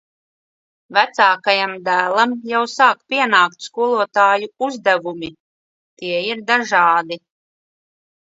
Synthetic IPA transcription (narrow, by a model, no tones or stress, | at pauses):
væt̪saːkajamd̪æːlˠamjawsaːkpʲiɛnaːk̚t̪skuɔlˠuɔt̪aːjuuzd̪ævumi | t̪iɛiɾd̪aʒaːd̪i